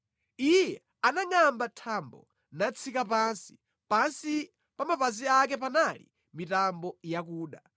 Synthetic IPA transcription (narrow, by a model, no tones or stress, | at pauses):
ijɛ | anaŋambatʰambɔ̰ | nat͡sʰikapansi̥ | pansi | pamapaziak̬ɛp̬analḭ | mitambɔjak̬uːɗa